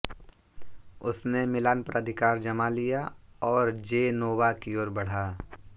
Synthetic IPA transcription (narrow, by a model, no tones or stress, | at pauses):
ʊsnemɪlaːnpɾəd̪ʱɪkaːɾd͡ʒɐmalijaɔːɾd͡ʒeːnoːwakioːɾbɐɽ̤aː